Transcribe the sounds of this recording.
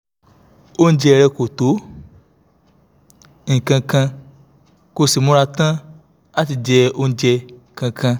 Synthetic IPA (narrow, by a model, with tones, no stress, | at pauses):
o˦n̩˦d͡ʒɛ˧˨˧ɾɛ˧ko˨to˨˦ | ñ̩˨kã˧kã˧ | ko˧si˨mõ˨˦ɾa˧tã˦ | a˦ti˧d͡ʒɛ˧o˧n̩˦d͡ʒɛ˧˨ | kã˧kʰã˧